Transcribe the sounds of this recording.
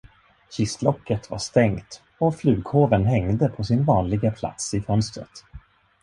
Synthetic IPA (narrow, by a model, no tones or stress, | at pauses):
ɕɪst̪lɔkːət̪va̰ʂt̪ɛŋt̪ | ɔflʉ̟ːɡhoːvənɦɛŋd̪əpʰɔsɪnvɑːnlɪɡapʰla̰t̪sɪfœnst̪ɾə̰t̪